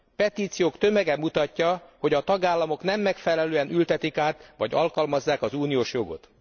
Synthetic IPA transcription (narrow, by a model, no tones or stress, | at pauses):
pɛt̪iːt̪sijoːkt̪ø̞mɛɡɛmːut̪ɒcːɒho̞ɟɒt̪ɒɡaːlːɒmo̞knɛmːɛkfɛlɛløːɛnylt̪ɛt̪ikaːt̪ʋɒ̰ɟɒlkɒlmɒzːaːkɒzuːnijoːʃjo̞ɡo̞̰t̪